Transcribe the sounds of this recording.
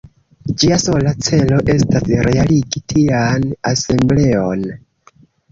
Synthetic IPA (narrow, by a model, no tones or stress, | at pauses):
d͡ʒiaso̞lat͡se̞lo̞ʔe̞stasɾʔe̞aliɡitʰianase̞mble̞o̞n